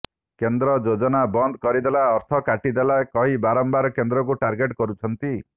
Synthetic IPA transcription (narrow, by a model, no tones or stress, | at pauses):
kend̪ɾɔd͡ʒod͡ʒɔnabɔnd̪kɔɾid̪elaɔɾt̪ʰɔkaʈid̪elakɔɦibaɾɔmbaɾɔkend̪ɾɔk̬uʈaɾɡeʈkɔɾut͡ʃʰɔnt̪i